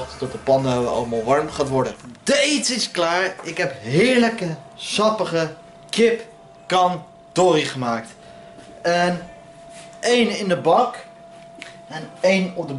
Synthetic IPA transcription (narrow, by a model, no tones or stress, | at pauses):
χttɔtəpɑnəo̰lˠmalˠʋɑɹmχaːtʋɔɹdədejtɪsklaːɹɪkɦɛpɦɪːɹləkəsɑpəχə | kɪp | kɑn | toriχəmaːk̚t | ɛn | ejnɪndəbɑk | ɛnejnɔp̚də